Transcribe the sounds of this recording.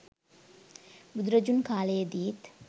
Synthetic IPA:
bud̪uɾɐd͡ʒunkaːlejed̪iit̪

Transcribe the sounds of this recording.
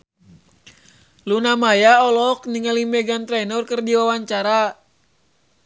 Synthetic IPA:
lunamajaɔlɔkniŋalimɛɡant̪ɾɛnɔrkɨrdiwawaɲt͡ʃaɾa

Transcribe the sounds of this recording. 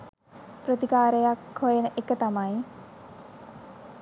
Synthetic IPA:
prət̪ikaːɾejakhojenəʔekət̪amaj

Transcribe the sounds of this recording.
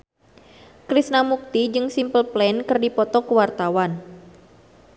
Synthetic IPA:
kɾisnamuk̚t̪id͡ʒɨŋsimpəlplɛnkərdipɔt̪ɔkəwart̪awan

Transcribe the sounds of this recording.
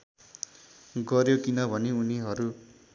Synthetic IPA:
ɡʌɾjokinʌbʱʌneuniɦʌɾu

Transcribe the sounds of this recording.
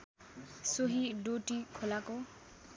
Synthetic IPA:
soɦiɖoʈikʰolako

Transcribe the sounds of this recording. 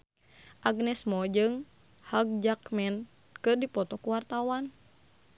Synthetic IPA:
ʔaɡnɛsmɔd͡ʒɨŋ | haɡ̚d͡ʒakmɛn | kɨrdipɔt̪ɔkuwart̪awan

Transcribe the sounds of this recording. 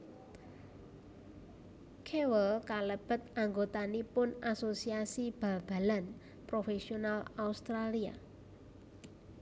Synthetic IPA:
kʰewəlkaləb̥ə̤t̪̚aŋɡot̪anipʊnasosiasib̥a̤b̥a̤lan | pɾofesionalaust̪ɾalia̰

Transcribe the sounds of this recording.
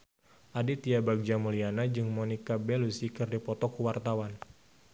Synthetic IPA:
ʔadit̪iabaɡ̚d͡ʒamulianad͡ʒɨŋmonikabelusikɨrdipɔt̪ɔkuwart̪awan

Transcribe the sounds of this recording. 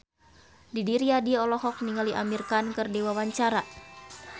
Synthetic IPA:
didiɾiadiɔlɔɦɔk̚niŋaliʔa̰mirkankɨrdewawaɲt͡ʃaɾa

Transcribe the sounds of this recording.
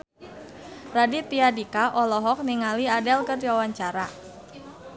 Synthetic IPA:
radit̪iadikaʔɔlɔɦɔk̚niŋaliadɛlkərdiwawaɲt͡ʃaɾa

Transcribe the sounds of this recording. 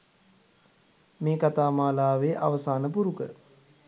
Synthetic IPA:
meːkat̪aːmaːlaːʋeʔa̰ʋəsaːnəpuɾukə̰

